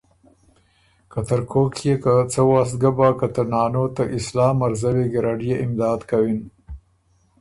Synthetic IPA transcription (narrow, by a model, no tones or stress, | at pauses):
kat̪əɾkʰokʰjekat͡səwɑs̬t̪̚ɡabɑkat̪əɾnɑːnot̪aʔɪslɑːmaɾzaweɡɪɾaɖijeʔɪmd̪ɑːd̪kawin